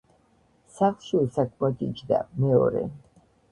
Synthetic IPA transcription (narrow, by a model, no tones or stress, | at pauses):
saχlˠʃilsakʰmakʼit͡ʃd̪a̰mɛɔ̰ɾɛ̰